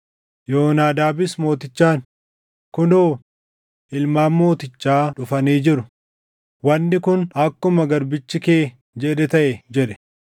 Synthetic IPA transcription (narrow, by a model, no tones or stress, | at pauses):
joːnaːd̪aːbɪsmo̞ːt̪ɪt͡ʃːaːn | kʊnoː | ʔɪlmaːnmo̞ːt̪ɪt͡ʃːaːᶑʊfɐniːd͡ʒɪɾʊ | wɐnːɪkʊnɐkːʊmɐɡɐɾbɪt͡ʃːɪkeː | d͡ʒɛᶑɛt̪ɐʔɛd͡ʒɛᶑɛ̥